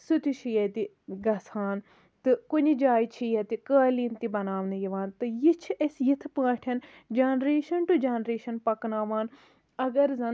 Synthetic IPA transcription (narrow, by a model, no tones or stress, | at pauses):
sut̪it͡ʃʰijɐt̪i | ɡɐsaːn | t̪ɨkʊɲid͡ʒaːjit͡ʃʰijɐt̪ikaːliːnt̪ibɐnaːʋnijiʋaːnt̪ɨjit͡ʃʰʔesjɪt̪ʰpãːʈʰɐn | d͡ʒɐːnɾeːʃɐnʈud͡ʒanɾeːʃɐnpɐknaːʋaːn | ɐɡɐɾzɐ